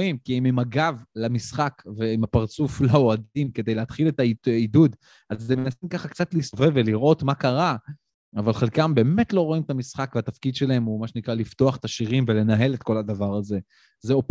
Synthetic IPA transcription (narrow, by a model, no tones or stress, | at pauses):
imkiimimaɡavlamisχakve̞imapaʁt͡suflaoadimke̞d̪ejleat̪χilet̪aiidud̪ | ʔazːemenasimkaχakt͡sat̪lisove̞vːeliʁʔo̞t̪makaʁa | avalχelkambe̞ːme̞tlo̞ʁo̞imet̪amisχakveat̪afkid̪ʃe̞lae̞mumaʃenikʁalift̪o̞aχe̥t̪aʃiʁimvele̞naɦe̞let̪ko̞lad̪avaʁaze̞ | zeop